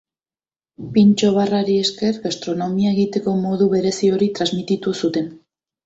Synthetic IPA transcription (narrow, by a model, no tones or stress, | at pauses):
pint͡ʃo̞β̞araɾie̞ske̞ɾɣast̪ɾo̞no̞miaeɣit̪e̞ko̞mo̞ðuβe̞ɾe̞sio̞ɾit̪ɾazmit̪it̪usut̪e̞n